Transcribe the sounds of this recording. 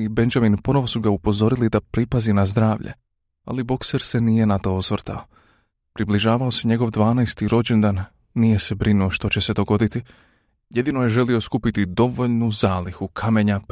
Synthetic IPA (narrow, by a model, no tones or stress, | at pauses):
ibe̞nd͡ʒaminpo̞no̞ʋo̞suɡaupo̞zo̞ɾilid̪apɾipazinazd̪ɾaːʋʎḛ | a̰libo̞kse̞ɾse̞nije̞nat̪o̞osʋrɾt̪ʰa̰o̞ | pɾibliʒaːʋao̞se̞ɲe̞ɡo̞ʋd̪ʋaːnɛjst̪iɾo̞d͡ʑe̞nd̪aːnː | ije̞se̞bɾinuoʃt̪o̞t͡ɕe̞se̞d̪o̞ɡo̞d̪it̪i | je̞d̪ino̞je̞ʒe̞lio̞skupit̪id̪o̞ʋo̞ʎnuzaːlixukʰame̞ɲap